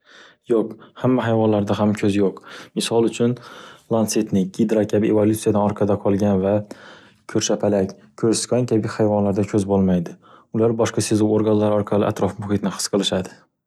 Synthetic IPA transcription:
joqhamːaɦajvɒnlaɾd̪aɦamkʲʰɵzjoqmɪsɒlˠʊt͡ʃʰʊnlˠanset̪nɪɡʲid̪ɾakʲʰabɪʔevolʲut̪sijad̪anɒɾqʰɑd̪aqʰɒlˠɡʲanva | kʲʰɵɾʃapʰalakʲ | kʰɵɾskʲʰaŋkʲʰabɪhajvɒnlaɾd̪akʲʰɵzbolˠmajd̪ɪʊlaɾbɒʃqɑsezuwoɾɡanlaɾɒɾqʰɑlɪ̰ʔa̰t̪ɾɒfbʊhɪt̪nɪhɨ̥sqʰɨlˠɪʃad̪ɪ

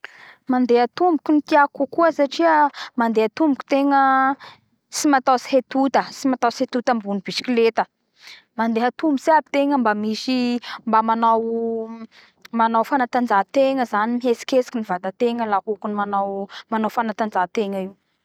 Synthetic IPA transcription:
mand̪eɦat̪umbukʲunit̪iakukuəsaʈ͡ʂiəmand̪eat̪umbukʲu̥t̪eŋə | simat̪asi̥ɦet̪ut̪əsimat̪awsiet̪ut̪əmbunib̥isi̥kilet̪ə | mand̪eɦat̪umbuseabit̪eŋəmbamisimbamanaw | manawfanat̪and͡ʒat̪eŋəzanimiɦesi̥kʲesi̥kinivad̪at̪eŋəlakukunimanawmanawfanat̪and͡ʒat̪eŋəiw

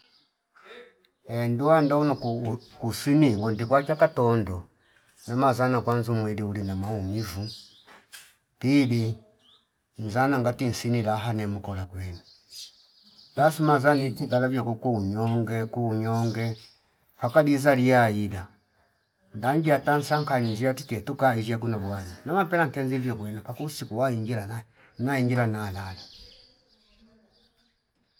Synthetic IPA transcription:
enduwandaunɔkusiniŋɡɔndikwat͡ʃakatondɔ | namazanakwanzumwiliulinamaumivu | pili | n̩zanaŋɡatinsinilaɦanɛmukɔlakwɛni | basumazanitiɡalavjɔkɔkuuɲɔŋɡɛkuuɲɔŋɡɛ | hakadizalijaila | ndaɲɡiatan̩saŋkaninziatitɛtukaiziak̬unaβwaninamapɛlaŋkɛnzivjɔkwɛnapakusikuwaiŋɡila | naiŋɡilanalala

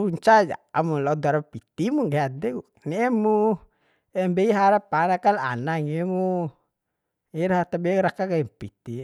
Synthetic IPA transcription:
uɲt͡ʃad͡ʒa̰amuladaɾapit̪imuɡeadɛɡu | nɛɛmu | ɛmbɛiɦaɾapanakala̰naŋimu | iɾaɦat̪abɛɾakakaimpit̪i

